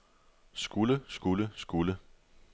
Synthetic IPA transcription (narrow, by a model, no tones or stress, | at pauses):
sɡ̥uləsɡ̥uləsɡ̥ulə